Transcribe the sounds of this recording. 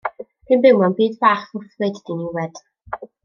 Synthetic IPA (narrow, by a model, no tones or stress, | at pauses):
b̥inbɪwmɔnbiːdvaːχʊθvɨdd̥inɪwɛd̥